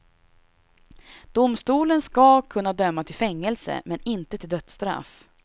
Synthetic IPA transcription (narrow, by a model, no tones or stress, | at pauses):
d̪̥ʊmst̪uːlənskakʰɵnːad̪œmːat̪ʰɪlfɛŋːɛlsə̰mɛnɪnt̪ət̪ʰɪld̪œt̪st̪ɾa̰f